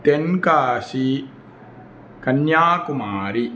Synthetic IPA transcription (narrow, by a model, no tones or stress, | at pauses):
t̪enkaːʃi | kɐnjaːkumaːɾi